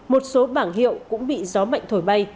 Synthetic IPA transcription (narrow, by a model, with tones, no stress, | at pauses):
mo˨˩t̚so˨˦ɓaː˧˩ŋɦḭ˧˨ə˨wkʊ̰˧˥ŋ͡mɓḭ˧˨zɔ˨˦ma̰˧˨jŋt̪ʰo˧˩jɓa˧j